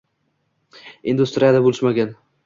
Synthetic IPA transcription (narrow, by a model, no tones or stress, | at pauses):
ɪnd̪ʊst̪ɾijad̪abolɪʃmaɡʲan